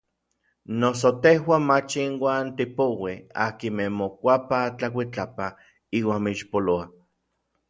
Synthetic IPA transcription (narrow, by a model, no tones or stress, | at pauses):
nos̬ot̪ehwamat͡ʃinwaːnt̪ipowea̰kimemokʷapat͡ɬakʷit͡ɬapa | iːwaːnmiʃpoloa